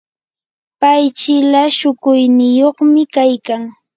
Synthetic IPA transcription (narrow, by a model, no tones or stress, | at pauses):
pajt͡ʃɪlaʃʊkʊjnɪjoχmɪkajkaŋ